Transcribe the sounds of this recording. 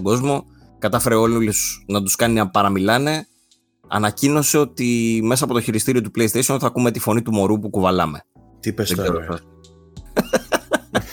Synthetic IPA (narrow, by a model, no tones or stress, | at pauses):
oɡo̞zmo̞ | kɐt̪ɐfe̞ɾeo̞llosnɐt̪uskɐniɐpɐɾɐmilɐne̞ | ɐ̰nɐcino̞se̞o̞t̪ime̞sɐːpot̪oçiɾist̪iɾiot̪uple̞jist̪ejsionθɐkume̞t̪ifo̞nit̪umo̞ɾupukuvɐlɐme̞̰ | t̪iesðeɡzeɾoɐ